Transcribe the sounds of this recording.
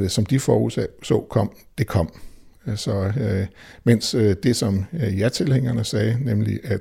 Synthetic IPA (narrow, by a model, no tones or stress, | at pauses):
sɒ̽md̥ifɒːhṵsɛsɒ̰ʊkʰɒ̽m̰ | d̥e̝kʰɒ̽m̰ | sɒ̽ | men̰sd̥e̝sɒ̽mjɑt͡sʰe̝lheŋ̰ɐnəsɛːnemlḭʔæ̥